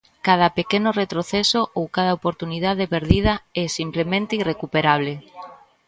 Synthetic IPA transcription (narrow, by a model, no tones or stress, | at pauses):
kað̞ɐpekenʊret̪ɾoθɛsoʔowkað̞ɐopoɾt̪uniðaðepeɾðið̞ɐɛsimplemẽnt̪eirekupeɾaβ̞le